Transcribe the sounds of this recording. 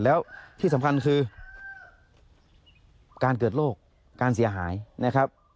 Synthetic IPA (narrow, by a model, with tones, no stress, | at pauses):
lɛː˦˥wt̪ʰiː˥˩sa˨˦mkʰa˧nkʰɯː˧ | kaː˧nk̬ɤː˨˩t̪̚loː˥˩k̚ː | aː˧nsi˩˦ɐɦaː˩˦jna˦˥˩kʰa˦˥p̚